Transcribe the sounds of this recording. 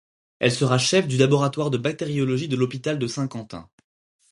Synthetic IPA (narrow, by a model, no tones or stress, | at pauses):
ɛlsəʁaʃɛfd̪ylabɔʁat̪waʁd̪əbak̚t̪eʁjɔlɔʒid̪əlɔpit̪ald̪əsɛ̃kɑ̃t̪ɛ̰̃